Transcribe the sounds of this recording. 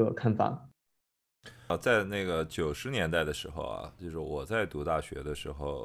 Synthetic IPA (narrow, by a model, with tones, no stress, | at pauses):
ə˨˧˩kʰa˥˩nfɑ̰˨˩˦ | t͡sa˥˧ɪna˥˩ɡə˩t͡ɕjo˨˩ʊʂɻ̩˧˥njɛ˧˥nt̪a˥˩ɪd̪ə˩ʂɻ̩˧˥xo̰˧ʊɐ̰˩t͡ɕjo˥˧ʊʂɻ̩˥˩wɔ˨˩t͡sa˥˩ɪt̪u˧˥t̪a˥˩ɕɥɛ̰˧˥d̪ə˧ʂɻ̩˧˥xo˥˧ʊ